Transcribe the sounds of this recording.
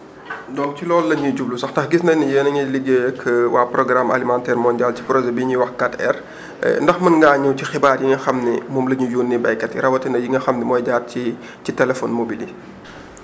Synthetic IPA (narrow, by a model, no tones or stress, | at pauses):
dɔŋcilɔːlːɐɲuɟublusɐxtɐxɡisndɐnɐjəːnɐŋɐliɡːekʰəwʔaːprɔɡɾamʔa̰limantɛːrmɔndialci̥pɾɔʒɛbiɲiwɐxkatɛ̰r̰ | ndɐxmɐnɡaːɲːuwcixibaːrjiŋɐxɐmnimumlɐɲujuːnːibɐjkːɐtḭɾɐwɐtɐnɐjiŋɐxɐmnimɔːjɟaːt̚ci | citɛlɛfɔnmobili